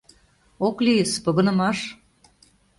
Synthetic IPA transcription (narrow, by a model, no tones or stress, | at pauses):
oklijəspɤ̆ɣɤ̆nə̆mɑʃ